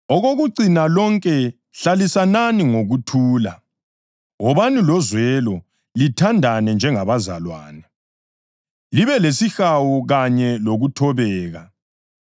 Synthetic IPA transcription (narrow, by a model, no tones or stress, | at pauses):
ɔɣoɣuǀinalɔŋkʼɛ | ɬalisananiŋoɣutʰuːla̰ | ɣɔβanilɔzwɛlɔ | litʰandʱanɛnd͡ʒʱɛŋaβaza̰lwa̰ːna | liβɛlesixawuɣaɲɛloɣutʰɔβɛːɣa